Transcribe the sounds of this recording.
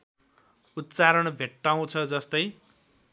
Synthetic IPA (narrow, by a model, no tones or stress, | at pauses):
ut̪ːt͡saɾʌɳbʱeʈːaw̃t͡sʰʌd͡zʌst̪ʌj